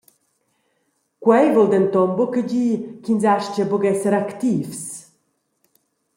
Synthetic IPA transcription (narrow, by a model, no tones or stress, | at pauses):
kwɛjvɔld̪ɛnt̪ɔmbukəɟiːkinzaʃcəbuɡɛsɛɾakt̪iːfs